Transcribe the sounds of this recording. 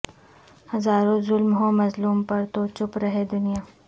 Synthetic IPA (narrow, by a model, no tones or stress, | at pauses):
hɐzaːɾõzʊlmɦõːmɐzluːmpɐɾt̪ot͡ʃʊpɾɐɦed̪ʊnijaː